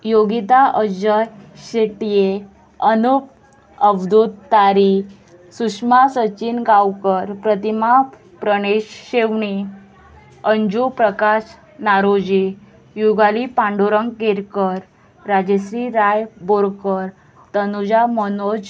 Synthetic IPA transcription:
joɡit̪aʔəd͡ʑəjɕeʈije | ənup | əbd̪ʱut̪ːaɾi | suʂmasət͡ɕinɡawkəɾpɾət̪ima | pɾəɽ̃eɕɕeʋɳi | əɲd͡ʑupɾəkas | naɾod͡ʑe | juɡalipãɳɖuɾəŋɡkeɾkəɾː | ad͡ʑesɾiɾajboɾkəɾ | t̪ənud͡ʑamənod͡ʑ

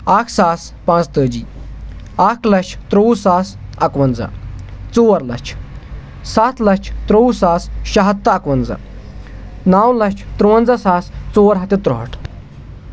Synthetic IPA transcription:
aːkʰsaːs | pãːt͡st̪əːd͡ʒiː | aːkʰlɐt͡ʃʰt̪ɾowsaːsɐkʋɐnd͡zɐ̰t͡soːʋɐɾlɐ̰t͡ʃʰ | saːt̪ʰlɐt͡ʃʰt̪ɾoːwsaːsʃɐɦɐt̪ːɐɐkʋɐnd͡zɐ̰ | naːwlɐt͡ʃʰt̪ɾowɐnd͡zɐsaːst͡soːwɐɾɦɐt̪it̪ɾoɦɐʈʰ

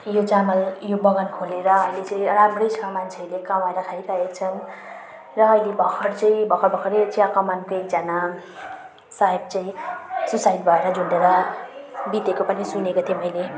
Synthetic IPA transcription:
jot͡samʌljobʌɡʌnkʰoleɾʌʌjlet͡sʌĩramrʌjt͡sʰkamant͡sʰelekamaeɾʌkʰaɾikaekt͡sʰʌn | rʌːjlebʱʌkʰʌrt͡sʌĩbʱʌkʰʌɾbʱʌkʰʌɾet͡sʰiakʌmankokd͡zana | saɦeb̚t͡saĩsusajd̪bʱʌeɾʌd͡zʱoɳɖeɾʌ | bit̪ekopʌnisunekot̪ʰijomʌjle

